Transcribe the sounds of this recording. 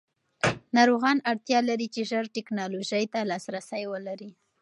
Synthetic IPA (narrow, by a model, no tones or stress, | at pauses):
nɑɾoɣɑnaɽt̪jɑlaɾit͡ʃeʒəɾʈɪknɑloʒəjt̪alɑsɾasajwəlaɾi